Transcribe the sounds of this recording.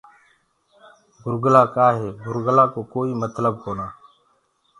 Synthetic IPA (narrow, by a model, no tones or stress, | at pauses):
bʱʊɾɡəlaːkaːɦeːbʱʊɾɡəlaːkoːkoːiːmət̪ləb̚koːnaː